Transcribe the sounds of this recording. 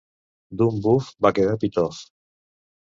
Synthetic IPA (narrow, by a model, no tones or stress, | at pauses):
d̪umbufbakeðapit̪ɔf